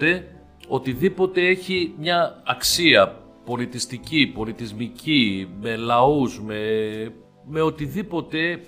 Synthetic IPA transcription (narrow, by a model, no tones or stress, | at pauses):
e̞ | o̞t̪iðipo̞t̪e̞e̞çimɲɐːksiɐ | po̞lit̪ist̪icipo̞lit̪izmicime̞lɐuzme̞ | me̞ot̪iðipo̞t̪e̞